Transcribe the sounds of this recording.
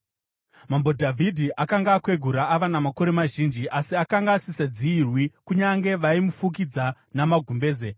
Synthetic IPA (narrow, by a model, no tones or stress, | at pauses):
mambo̞dʱavʱidʱiʔakaŋɡaːkwe̞ɡʱuɾaːʋanamako̞ɾe̞maʒind͡ʒiʔasiakaŋɡasisad͡ziːrwikuɲaŋɡe̞ʋaimufuk̬id͡za | namaɡʱumbe̞ːze